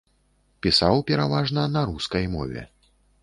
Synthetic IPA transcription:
pʲisawpʲɛɾavaʐnɐnɐɾuskɐjmɔ̰vʲɛ̰

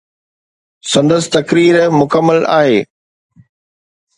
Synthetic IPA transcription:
sɐ̃nd̪əsɪ̥t̪ɐkɾiːɾmʊkəmːəla̰ːɦeː

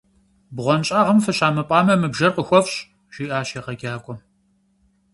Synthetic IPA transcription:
bʁʷɔnt͡ʃʼaːʁɐmfɐɕaːmɐpʼɑːmɐmɨbʒɐrqəxʷɔfɕʼ | ʒ̥iːʔaːɕeːqɐɡʲaːkʷʼɔ

